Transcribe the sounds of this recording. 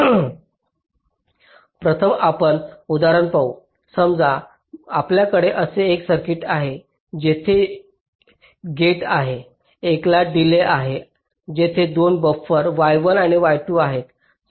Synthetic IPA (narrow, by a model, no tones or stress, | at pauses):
pɾət̪ʰəmapəɳud̪aɾəɳpau | səmd͡za | apljakəɽeʔəseːksəɾkiʈaɦe | d͡ʑet̪ʰe | ɡeʈaɦeː | klaɖileʔaɦe | d͡ʑet̪ʰed̪onbəfəɾʋajʋəlaɽ̃iʋajʈuaɦet̪